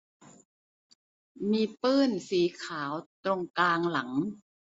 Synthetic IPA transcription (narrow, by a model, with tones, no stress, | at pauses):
miː˧pɯː˥˩nsiː˨˩˦kʰaː˩˦wt̪ɾo˧ŋkaː˧ŋla˩˦ŋ